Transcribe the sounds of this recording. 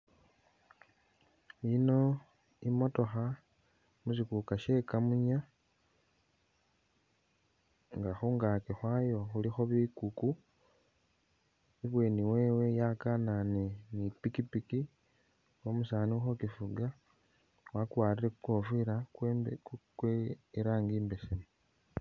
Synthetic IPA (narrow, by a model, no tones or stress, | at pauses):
ino̞ | imo̞to̞xa | musikukaʃe̞kamuɲa | ŋɡaxuŋɡakexwajo̞xulixo̞βikuku | iβweːniweːwe̞jakananinipikipiki | womusaːnixo̞kifuɡa | wakwaːliɾekuko̞fuiɾa | kweiɾaːŋɡiːmbesimu